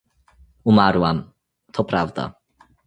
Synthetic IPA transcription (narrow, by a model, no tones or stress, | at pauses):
umaɾwam | t̪ʰɔpʰɾavd̪a̰